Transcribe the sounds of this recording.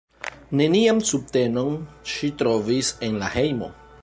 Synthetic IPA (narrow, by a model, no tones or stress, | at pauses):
ne̞niamsub̚te̞no̞nʃitɾo̞vise̞nlahe̞jmo̞̰